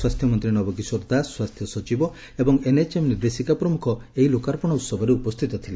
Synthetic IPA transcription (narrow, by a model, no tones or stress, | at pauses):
swast̪ʰjɔmɔnt̪ɾinɔbɔkisoɾd̪aswast̪ʰjɔsɔt͡ʃibɔ | ebɔŋenet͡ʃemniɾd̪esikapɾɔmukʰɔeɦilokaɾɔpɔɽ̃ɔut̪sɔbʱɔɾeupɔst̪ʰit̪ɔt̪ʰile